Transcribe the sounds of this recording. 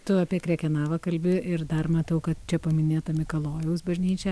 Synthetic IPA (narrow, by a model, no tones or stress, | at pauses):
t̪ʊɐpʲiɛkɾʲɛːkʲɛnɑːʋɐkɐlʲbʲɪɪrd̪ɐrmɐt̪ɐʊkɐt̪̚t͡ʃʲɛpɐmʲɪnʲeːt̪ɐmʲɪkɐlˠoːjɛʊsbɐʒʲnʲiːt͡ʃʲɛ